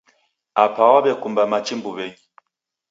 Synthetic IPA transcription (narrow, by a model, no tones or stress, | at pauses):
apʰawabɛkumbamat͡ʃimbuβɛŋi